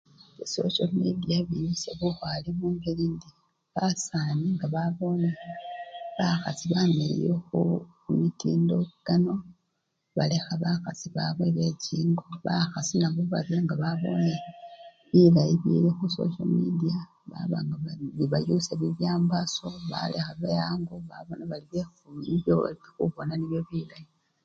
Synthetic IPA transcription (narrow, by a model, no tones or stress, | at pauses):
iso̞̰ʃalmidiaβijuseβuxwaliβuːŋɡelindi | βasaːniŋɡaβaβo̞ne | βaxasiβamelḛjoxu | mitḭːndo̞ɡ̥ano̞ | βa̰lexaβaxasiβaβweβe̞ciːŋɡoβaxasinaβuβa̰t͡siaŋɡaβaβo̞̰ne | βilajiβḭlixuso̰ʃalmidia | βa̰βa̰ŋɡaaiβajuseβiβjaːmbaso̞βa̰lexaβejaːŋɡoβa̰βo̞naβaliβefumiβjoo̰liexuβonaniβjo̞βilaji